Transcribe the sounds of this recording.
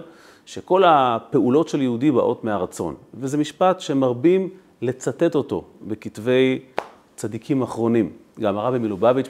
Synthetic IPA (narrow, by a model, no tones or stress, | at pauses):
ʃe̞ko̞lape̞ulo̞tʃe̞ljehudiba̰ʔo̞tmeaʁat͡so̞̰nvezemiʃpatʃemaʁbim | le̞t͡sate̞to̞to̞̰bekitve̞j | t͡sad̪ikʰimaχʁo̞nimɡamaʁavimilobavit